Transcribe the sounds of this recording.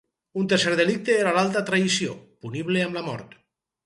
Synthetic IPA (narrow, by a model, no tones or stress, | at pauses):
unt̪eɾseɾðelik̚t̪eeɾalalˠt̪at̪ɾaisiopuniβleamlamɔ̰ɾt̪